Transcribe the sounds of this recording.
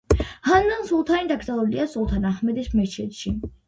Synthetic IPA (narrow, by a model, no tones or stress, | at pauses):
hanːansulˠt̪ʰanid̪aɡɾzalˠuliasulˠt̪ʰanaχmɛd̪ɛsmɛt͡ʃʰɛt̪ʃi